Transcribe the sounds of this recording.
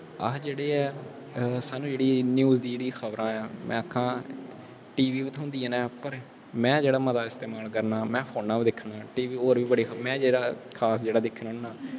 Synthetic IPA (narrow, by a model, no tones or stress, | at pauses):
ə̰d͡ʒeːɽeːɛː | saːnũːd͡ʒeːɽiːnjuːzd̪iːd͡ʒeːɽiːxʰəʋɾʔãːɛ̃ːmʔɛ̰̃ːkʰːãː | ʈiːʋiːʋt̪ʰɦõnd̪iːɛnɛ̃ːpəɾ | mɛ̃ːd͡ʒeːɽaːmət̪aːɪst̪eːmaːlkəɾnaːmɛ̃ːpʰoːnãːʋd̪ɪkʰːnãːʈiːʋiːoːɾʋiːbəɽeːmɛ̃ːd͡ʒeːɽaːkʰaːsd͡ʒeːɽaːd̪ɪkʰːənɦõɳnaː